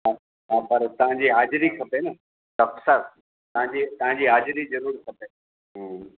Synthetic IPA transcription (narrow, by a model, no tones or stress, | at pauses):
ɦã | ɦãːpɐɾt̪ɐʋ̤ãɲd͡ʑiːɦaːd͡ʑɪɾikʰɐpenɐ | sɐfsɐɾ | t̪ɐɦãɲd͡ʑiːt̪ɐʋ̤ãɲd͡ʑiːɦaːd͡ʑɾizɐɾuːɾkʰɐpe | ɦ